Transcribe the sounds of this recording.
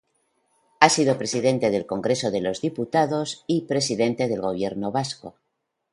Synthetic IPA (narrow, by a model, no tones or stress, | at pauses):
asiðo̞pɾe̞siðẽ̞nt̪e̞ð̞e̞lko̞ŋɡɾe̞so̞ðe̞lo̞zðiput̪aðo̞sipɾe̞siðe̞nt̪e̞ð̞e̞lɣo̞β̞je̞ɾno̞βasko̞̰